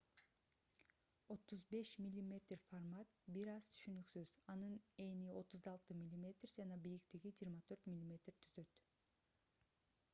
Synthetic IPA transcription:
o̞t̪ːuzbe̞ʃmʲilʲːimʲe̞t̪rformɑt̪biɾɑz̥t̪ʰy̥ʃynyksyz̥ɑnɯne̞nio̞t̪uzɑlˠt̪ɯmʲilʲːimʲe̞t̪rd͡ʒɑnɑbijikt̪iɡid͡ʒiːɾmɑt̪ʰø̞ɾt̪mʲilʲːimʲe̞t̪r̥t̪ʰyz̥ø̞t̪

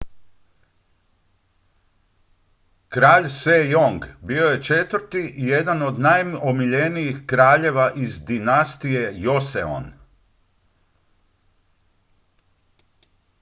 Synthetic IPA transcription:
kɾaːʎsejoŋɡbio̞je̞t͡ʃet̪ʋɾt̪iʔije̞d̪ano̞d̪najomiʎenijixkɾaːʎe̞ʋaʔizd̪inast̪ije̞jo̞sḛo̰n

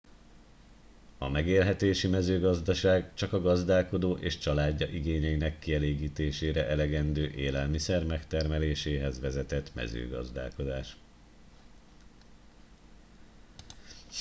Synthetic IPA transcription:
ɒmɛɡeːlɦɛt̪eːʃimɛzøːɡɒzd̪ɒʃaːɡt͡ʃɒkɒɡɒzd̪aːlko̞d̪oːʔeːʃt͡ʃɒlaːɟːɒʔiɡeːɲɛinɛkːiɛleːɡiːt̪eːʃeːɾɛʔɛlɛɡɛnd̪øːʔeːlɛlmisɛrmɛkt̪ɛrmɛleːʃeːɦɛzʋɛzɛt̪ɛt̪mɛ̰zø̰ːɡɒ̰zd̪a̰ːlko̞d̪aːʃ

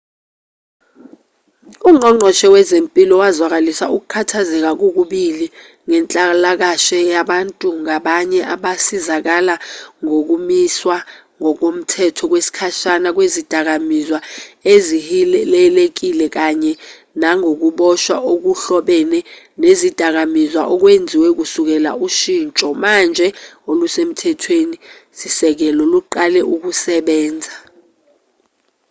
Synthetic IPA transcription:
uŋ͡ǃɔŋ͡ǃʱɔʃɛwɛzempʼilɔwazwak̬alisauk̬ukʰatʰazɛk̬ak̬uk̬uɓili | ŋɛnt͡ɬʼalak̬aʃɛjaɓantʼuŋaɓaɲɛʔaɓasizak̬alaŋok̬umiswa | ŋɔk̬om̩tʰɛtʰɔk̬wesi̥kʰaʃanak̬wezid̥ʱak̬amizwaezilɛlek̬ilɛk̬aɲɛ | naŋok̬uɓɔʃwaʔok̬uɬɔɓɛnɛ | nezid̥ʱak̬amizwaʔɔk̬wend͡zʱiwɛk̬usuk̬ɛla̰uʃiːnt͡ʃʼɔmand͡ʒʱɛolusem̩tʰɛtʰwenisisɛk̬ɛlɔluǃalɛʔuk̬usɛɓɛːnd͡zʱa

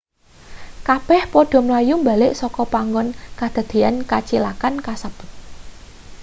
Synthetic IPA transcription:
kab̥ɛhpɔɖ̪̥ɔ̤mlajumba̤lɪʔsɔkɔpaŋɡɔnkad̪̥a̤d̪̥e̤ankat͡ʃilakankasəp

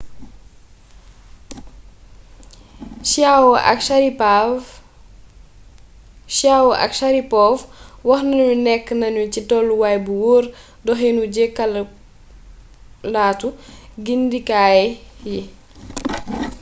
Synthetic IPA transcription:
wʔɐ̰kɾia | ʃawʔɐ̰kʃaɾipɔːfwɐxnɐɲunɛkːnɐɲucitɔlːuwajbuwɔːɾ | dɔxɛnuɟekɐl | laːtuɡindikaːjɛji

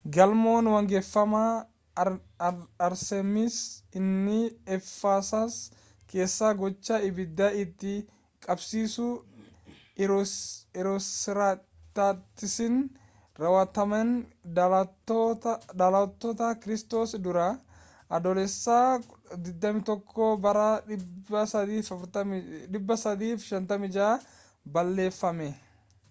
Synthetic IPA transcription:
ɡɐlmoːnwɐŋɡɛfːɐmɐ | ɐɾsɛmɪsɪnːɪɛfːaːsaːs | ke̞ːsːaːɡɔt͡ʃːɐɪbɪd̪ːɐɪt̪ːɪ | kʼɐbsiːsʊ | ɪɾɔɪɾa | t̪ːat̪ːɪsɪn | ɾɐwɐt̪ɐmɐn | d̪ɐlɐt̪ːɔt̪akɪɾɪst̪o̞ːsd̪ʊɾɐ | ʔɐd̪ɔlɛsːaːd̪ɪd̪ːɐmɪt̪ɔkʰːoːbɐɾɐɐɐiːfɐɾt̪ɐᶑɪbːɐsɐd̪iːfʃɐnt̪ɐmɪd͡ʒaː | bɐlːe̞ːfːɐmɛ

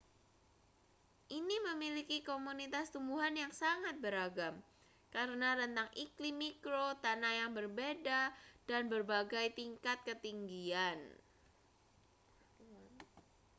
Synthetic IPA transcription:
ʔiniməmilikikomunit̪ast̪umbuɦanjaŋsaŋat̪̚bəɾaɡam | kaɾənaɾənt̪aŋʔiklimːikɾot̪anajaŋbərbedad̥anbərbaɡajt̪iŋkat̪̚kət̪iŋɡian

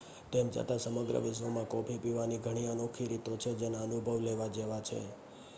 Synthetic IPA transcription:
t̪emd͡ʒə̰t̪asəməɡɾə̰ʋɪʃʋomãkɔpʰipiʋaniɡʱəɽ̃iənokʰiɾit̪ot͡ʃʰed͡ʒenaənubʱəʋleʋad͡ʒeʋat͡ʃʰḛ

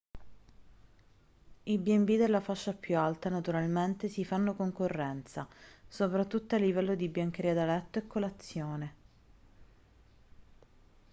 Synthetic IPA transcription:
ibiɛmbid̪elːafaʃːapːjualt̪anat̪uɾalment̪esifanːokoŋkorːɛnt̪sasopɾat̪ːut̪ːoalːivɛlːod̪ibjaŋk̟eɾiːad̪alɛt̪ːoekːolat̪sːjoːne

